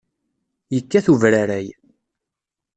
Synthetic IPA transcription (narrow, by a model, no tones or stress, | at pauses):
jəkːæθuvɾaɾæj